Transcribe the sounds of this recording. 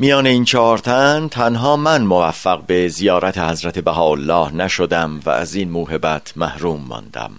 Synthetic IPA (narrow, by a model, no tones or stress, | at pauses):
mijɒːneiːnt͡ʃʰɒːɾt̪ʰænt̪ʰænɦɒːmænmovæfːæɣbe̞zijɒːɾæt̪ʰe̞hæzɾæt̪ʰe̞bæɦɒːolːɒːhnæʃod̪æmvæ̰ʔːziːnmuːɦe̞bæt̪ʰmæhɾuːmːɒ̰ːnd̪̥æ̰m